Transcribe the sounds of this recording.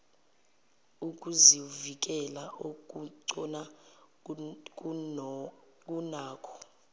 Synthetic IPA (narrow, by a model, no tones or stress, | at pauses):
ukʼuzivik̬ʼɛlaʔokʼuǀɔna | k | k̬ʼunaːkʰɔ̥